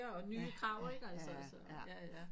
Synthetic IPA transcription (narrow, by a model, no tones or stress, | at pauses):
ɐɒ̽nyːkʰɑ̈ʊɐe̝ɡ̥ælsɐælsəjææ